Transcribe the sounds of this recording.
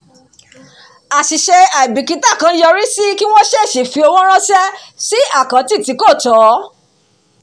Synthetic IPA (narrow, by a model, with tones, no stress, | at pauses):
a˨ʃi˨ʃɛ˧a˨i˨bi˨ki˧˦ta˦˨kã˧˦jɔ˧ɾi˦si˦ki˦w̃ɔ̃˦ʃɛ˦˨ʃe˨fi˨˧o˧w̃ɔ̃˦ɾ̃ã˦sɛ˦si˦a˦˨kã˨˦ti˦˨ti˨˦ko˦˨tɔ˨˦